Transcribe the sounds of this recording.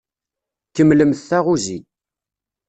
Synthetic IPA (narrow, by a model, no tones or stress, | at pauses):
kːəmːləmθθæʁuzi